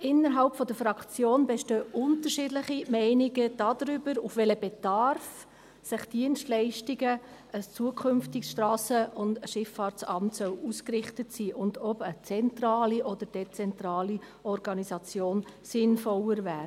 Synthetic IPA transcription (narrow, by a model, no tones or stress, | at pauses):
ʔɪnːəɾɦɑlpfɔd̥əɾfɾɑkt͡sjoːnbeʃtøːʔʊntəɾʃiːdlɪχimɛɪniɡəd̥ɑdɾʏbəɾufʋɛləbɛd̥ɑɾf | sɪχd̥iənstlɛɪʃtiɡə | əst͡suəkʰχʏmftiksʃtɾɑːsəʊndʃɪfːɑːɾtsɑmtsœluskrɪχtətsiːʔʊndɔbət͡sɛntrɑːliʔɔdəɾd̥et͡sɛntɾɑːli | ɔɾɡɑnisɑt͡sjoːnsɪnfɔləɾvæːɾ